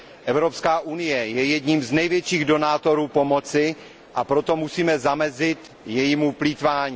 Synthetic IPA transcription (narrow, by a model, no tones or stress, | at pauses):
ʔɛvɾo̞pskaːʔunɪjɛjɛjɛdɲiːmznɛjvjɛt͡ʃiːɣdo̞naːt̪o̞ɾuːpo̞mo̞t͡sɪ | ʔapɾo̞t̪o̞musiːmɛzamɛzɪt̪ | jɛjimuplit̪vaːɲiː